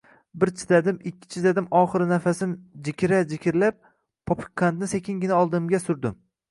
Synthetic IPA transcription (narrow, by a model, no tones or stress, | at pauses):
bɪɾt͡ʃʰɪ̥d̪ad̪ɪmɪkʲʰːɪ̥t͡ʃʰɪd̪ad̪ɪmʔɒχɨɾnafasɪnd͡ʒɪkʲɾad͡ʒɪkʲɪɾlap̚ | pʰːopʰɪ̥kʰːant̪nɪsekʲʰɪŋɡʲɪnaɒlˠd̪ɪmɡʲasʊɾd̪ɪm